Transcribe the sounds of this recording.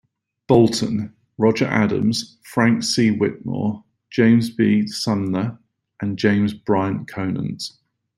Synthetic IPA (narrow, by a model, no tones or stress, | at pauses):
b̥ɒlˠtə̃n | ɹɒd͡ʒəɹʔa̰də̰̃mz̥ | fɹãŋksiːwɪʔnɔ̰̥ː | d͡ʒ̥ẽɪ̃mzbiːdsʌ̃nlə | ʔə̃nd͡ʒẽɪ̃mzbɹaɪə̃nkʰəʊnə̰̃nz̥